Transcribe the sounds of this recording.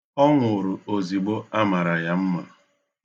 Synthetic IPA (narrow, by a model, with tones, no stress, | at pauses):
ɔ˦ŋʷʊ˨ɾʊ˨o˨zi˨ɡ͡bo˦a˦ma˨ɾa˨ja˦m̩˦ma̰˨